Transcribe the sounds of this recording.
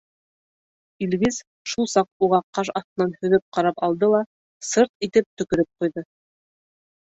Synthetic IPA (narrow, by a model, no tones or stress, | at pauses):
ilβiz | ʃulˠsɑq̚uʁɑqqɑʃ̬ɑθt̪ɤ̆nɑnhɵ̆βɘp̚qɑɾɑpɑlˠd̪ɤlˠɑ | sɤɾt̪̚it̪ɘp̚t̪ɵ̆kɵ̆ɾɘp̚qujðɤ